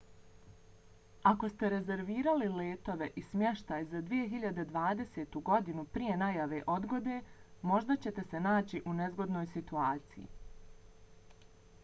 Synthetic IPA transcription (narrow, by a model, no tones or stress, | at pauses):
ako̞st̪e̞ɾe̞ze̞ɾʋiːɾalile̞ːt̪o̞ʋe̞ʔismje̞ʃt̪ajzad̪ʋijeɦiʎad̪ed̪ʋaːd̪e̞se̞ːt̪uɡo̞d̪inupɾije̞najaʋe̞ʔo̞d̪ɡo̞d̪eːmo̞ʒd̪at͡ɕe̞t̪e̞se̞naːt͡ɕiʔune̞zɡo̞d̪no̞ːjsit̪uaːt̪sijḭ